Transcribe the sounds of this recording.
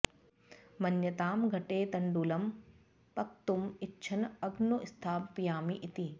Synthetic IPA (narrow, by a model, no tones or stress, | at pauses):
mɐnjɐt̪aːmɡʱɐʈeːt̪ɐɳɖuːlɐm | pɐkt̪umitːʃʰɐnɐɡnuʔist̪ʰaːpijaːmiʔit̪i